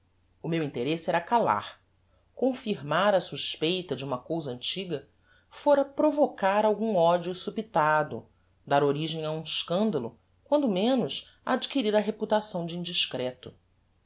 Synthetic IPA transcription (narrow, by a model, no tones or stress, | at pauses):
ʊmewĩnt̪eɾesɪɛɾɐkala̰ɾ | kõfiɾmaɾɐsuʃpejt̪ɐd͡ʒɪũmɐkowzɐɐ̃nt͡ʃiɡɐ | foɾɐpɾovokaɾawɡũɔd͡ʒusupit̪ad̪ʊ̰ | d̪aɾoɾiʒẽj̃ɐũɪʃkɐ̃nd̪ɐlʊ | kwɐ̃nd̪ʊmẽnʊʃ | a̰d͡ʒikiɾiɾɐɦeput̪asɐ̃w̃d͡ʒɪĩd͡ʒiʃkɾɛt̪ʊ